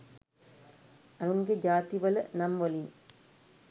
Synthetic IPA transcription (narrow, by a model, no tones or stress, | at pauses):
ɐɾuŋɡed͡ʒaːt̪iʋɐlɐ̰nɐmʋɐli